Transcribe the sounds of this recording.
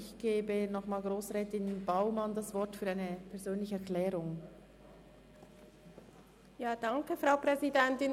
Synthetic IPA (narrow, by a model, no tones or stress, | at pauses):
ɪçɡ̥eːbənɔχmaːlɡʁoːsʁɛːtɪnb̥aʊmandasvɔɾtfyːɐaɪnəpʰɛɐzøːnlɪçəɛkʰlɛːʁʊŋ | jaːd̥aŋkəfʁaʊpʁ̥ɛzidɛntɪn